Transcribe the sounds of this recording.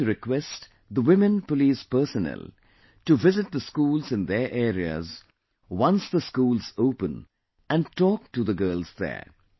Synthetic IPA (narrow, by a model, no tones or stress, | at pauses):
ɾɪkwɛst | d̪əwɪmɨ̃npəliːspə˞sənɛ̰l | tuʋɪzɪt̪̚d̪əskuːlzɪ̃nd̪ə˞ʔɛːɾiə̰z | wʌ̃nsd̪əskuːlzoːpə̃n | æ̃nʈɔːk̚ʈud̪əɡɜːlzðə̰ː